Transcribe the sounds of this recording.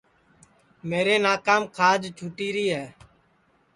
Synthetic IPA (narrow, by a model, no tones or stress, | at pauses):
meːɾeːnaːkaːmkʰaːd͡ʒt͡ʃʰuːʈiːɾiːɦɛː